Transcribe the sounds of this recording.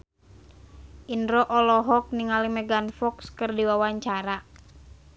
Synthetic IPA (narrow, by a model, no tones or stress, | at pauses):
ʔindɾɔʔɔlɔɦɔk̚niŋalimɛɡanfɔkskɨrdiwawaɲt͡ʃaɾa